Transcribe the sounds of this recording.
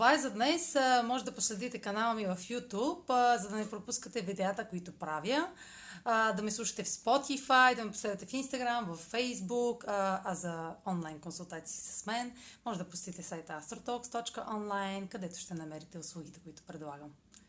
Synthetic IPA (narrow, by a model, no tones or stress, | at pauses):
t̪ovaɛzɐd̪nɛsmɔʒɛd̪ɐposlɛd̪it̪ɛkɐnalˠəmivɐfjut̪upzɐd̪ɐnɛpɾopuskət̪ɛvid̪ɛat̪əkoit̪ʊpɾavjə | d̪ɐmislˠuʃɐ̥t̪ɛfspɔt̪ifajd̪ɐmɛpo̥slɛvʲət̪ɛfinst̪ɐɡɾamvɐfːɛjzbukɐzɐɔnlˠajnkonsulˠt̪at̪si̥ːsɐ̥smɛnmɔʒɛd̪ɐpʊ̥sʲt̪it̪ɛsajt̪ast̪ɾot̪ɔkst̪ɔt͡ʃkəʔɔnlˠajnkɐd̪ɛt̪ʊ̥ʃt̪ɛnɐmɛɾit̪ɛʊslˠuɡ̟ʲit̪ɛ̥kʊit̪ʊ̥pɾɛd̪lˠaɡəm